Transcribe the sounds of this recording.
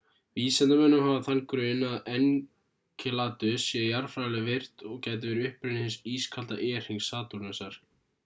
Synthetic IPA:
viːsɛnt̪amɛnːʏmhavaθankɾœːnaðɛn | cʰɛlaːt̪ʏsɛjaɾfɾaːjlɛɣvɪr̥t̪ɔɣcaːjt̪̬ɪvɛːɾɪʏhpɾʏnɪhɪnsiːskʰalt̪a̰ʔɛːr̥ɪŋsaːt̪uɾnɛsaɾ̥

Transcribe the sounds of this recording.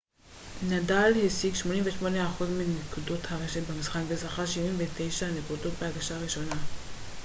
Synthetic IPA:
nadalhesiɡʃmo̞nimveʃmoneaχuzminekudo̞thaʁeʃetbemisχakbezaχaʃivimvete̞jʃanekudo̞tbehaɡaʃaːʁiʃo̞na

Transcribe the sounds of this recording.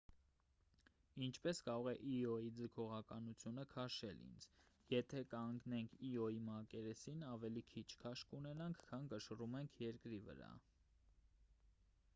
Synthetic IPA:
int͡ʃʰpɛskɑɾɔʁɛʔiɔid͡zəkʰɔʁɑkɑnut͡sʰjunəkʰɑʃɛ̰lḭnd͡zjɛt̪ʰɛkəɑŋɡnɛŋkʰiɔimɑkɛɾɛsinɑvɛlikʰit͡ʃʰkʰɑʃkunɛnɑŋkʰkʰːɑnkəʃərumɛŋkʰjɛɾkɾivə̰ɾɑ̰

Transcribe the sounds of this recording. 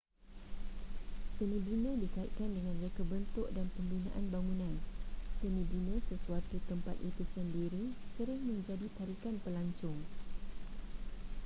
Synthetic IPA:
sənə̃dinə̃dikait̪̚kandəŋãnrekəbənt̪ʊʔdanpəmbinãʔanbaŋũnãnsənə̃dinə̃səsuat̪ut̪əmpa̰t̪it̪usəndiɾisəɾɪŋmə̃ɲd͡ʒadit̪aɾikanpəlaɲt͡ʃʊŋ

